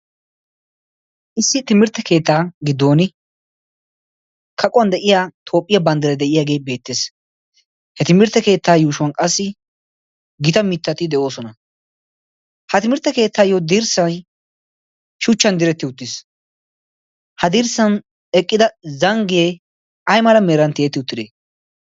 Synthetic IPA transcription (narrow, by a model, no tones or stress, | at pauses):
ʔɪsːɪt̪ɪmɪɾt̪ːɛke̞ːt̪ːaːɡɪd̪ːo̞ːnɪ | kʰɐkʼʊwɐnd̪ɛʔɪjaːt̪ʰo̞ːpʼːɪjɐbɐnd̪ɛɾɛd̪ɛʔɪjaːɡe̞ːbe̞ːt̪ːeːs | hɛt̪ɪmɪɾt̪ːɛke̞ːt̪ːaːjuːʃʊwɐnkʼɐsːɪ | ɡɪt̪ɐmɪt̪ːɐt̪ɪd̪ɛʔo̞ːsɔnɐ | hɐt̪ɪmɪɾt̪ːɛke̞ːt̪ʰːaːjod̪iɾsɐj | ʃʊt͡ʃːɐnd̪ɪɾɛt̪ːɪʊt̪ːɪs | hɐd̪iɾsɐn | ɛkʼːɪd̪ɐzɐŋɡeː | ɐjmɐlɐmeːɾɐnt̪ɪɛt̪ːɪʊt̪ːɪd̪eː